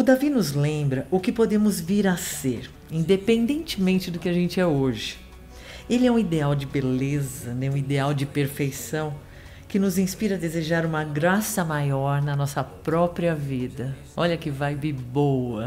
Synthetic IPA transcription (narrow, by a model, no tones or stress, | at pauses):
ʊd̪avinʊzlẽmbɾɐʔʊkɪpod̪ẽmʊzviɾaseɾ | ĩnd̪epẽnd̪ẽnt͡ʃɪmẽnt͡ʃɪd̪ʊkɪaʒẽnt͡ʃɪɛoʒɪ | elɪɛũid̪eawd͡ʒɪbelezɐnɛũid̪eawd͡ʒɪpeɾfejsɐ̃w̃ | kɪnʊzĩspiɾɐd̪ezeʒaɾũmɐɡɾasɐmajɔɾnɐnɔsɐpɾɔpɾiɐvid̪ɐ | ɔʎɐkɪvajbɪbowɐ